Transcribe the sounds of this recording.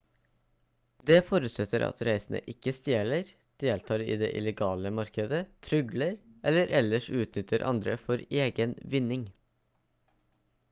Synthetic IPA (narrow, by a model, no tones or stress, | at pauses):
d̪ɛfɔɾʉt̪sɛt̪ʰːəɾʔɑ̰t̪ɾæɪsənə̰ʔɪkːəst̪jeːɭəɾ | d̪̥eːlt̪ʰɑːɾɪ̰ːd̪ḛːʔɪ̰lɛɡɑːləmɑɾkəd̪ət̪ʰɾʏɡləɾʔɛlːəɾʔɛlːəʂʉːt̪nʏt̪ʰːəɾʔɑ̰nd̪ɾə̰fɔɾeːɡənʋɪnːɪŋ